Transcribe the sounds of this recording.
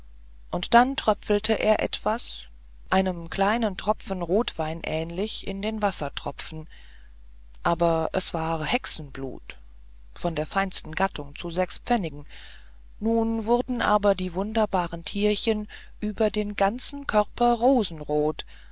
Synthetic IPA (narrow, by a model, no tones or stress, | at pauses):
ʔʊntd̥antʁ̥œpp͡fl̩tʰəʔḛːɐʔɛ̰tv̥as | ʔaɪnəmkʰl̥aɪnəntʁ̥ɔp͡fən̩ʁoːtv̥aɪnʔɛːnlɪçʔɪ̰ndeːnvasɐtʁ̥ɔpp͡ffn̩ | ʔaːbɐʔɛsv̥aːhɛksn̩blṵːt | fɔndeːɐfaɪnstn̩ɡatʊŋt͡suzɛkspp͡fɛnɪɡŋ̩ | nuːnvʊʁɐdn̩ʔa̰ːbɐdiːvʊndɐbaːʁəntʰiːɐçən | ʔyːbɐdeːnɡant͡sn̩kʰœʁpɐʁoːzn̩ʁoːt